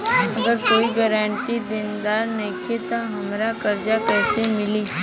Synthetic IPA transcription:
ɐɡəɾkoːiɡəɾãːɳʈid̪ɪnd̪aːɾnekʰet̪aɦɐmɾakɐɾd͡ʒakɛːsemɪliː

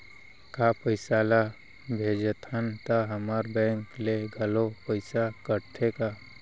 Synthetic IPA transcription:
kapəɪsaːla | bʱeːd͡ʒət̪ʰənt̪aɦəmaɾbɛ̃ːŋkleɡʱəlopəɪsakəɾʈʰeka

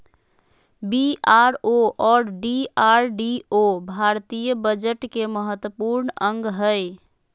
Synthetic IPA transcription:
biaɾoʔɔɾɖiaɾɖiobʱaɾt̪ijəbəd͡ʒəʈkeməɦət̪wəpuɾnəŋɡɦəɪ

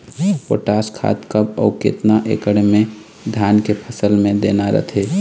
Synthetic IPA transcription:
po̰ʈaːskʰa̰t̪kəbɔʊkḛt̪naʔḛkəɽmẽ | d̪ʱjankepʰəsəlmẽd̪enaɾə̰t̪ʰe

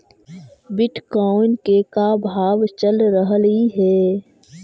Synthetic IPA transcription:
bɪʈkɔːnkekabʱaːʋt͡ʃəlɾəɦliɦɛː

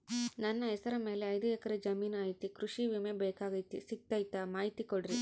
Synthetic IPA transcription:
nɐnːɐɦɛsɐɾɐme̞ːleɐjd̪uɛkɐɾed͡ʒɐmiːnaːjt̪ikɾuʂiʋimebɛːkaːɡɐjt̪isik̚t̪ɐjt̪amaːɦit̪ikoɽɾi

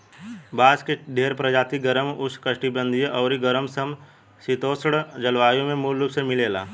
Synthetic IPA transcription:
baːskeɖʱeːɾpɾəd͡ʒaːt̪iɡəɾəmʊskəʃʈibə̃nd̪ʱijʔɔːɾiɡəɾəmsəm | sɪt̪oːsɽd͡ʒɐlʋaːjõmẽmuːlːupsemɪleːla̰ː

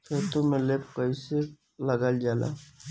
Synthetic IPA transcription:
kʰet̪omẽlepkəise | ləɡəld͡ʒaːla̰

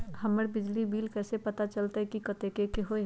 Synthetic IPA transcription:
hɐməɾbɪd͡ʒlibiːlkɛːsepɐt̪at͡ʃɐlt̪aɦɛkikɐt̪ekekeɦoe

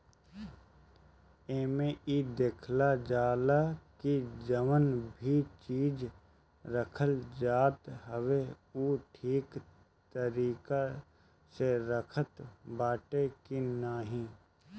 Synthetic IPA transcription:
eːmeʔid̪eːkʰlad͡ʒaːlakid͡ʒəʋənbʱit͡ʃiːd͡ʒ | ɾəkʰəld͡ʒaːt̪ɦəʋe | uːʈʰiːk | t̪əɾiːka | seɾəkʰət̪baːʈekinaːɦĩː

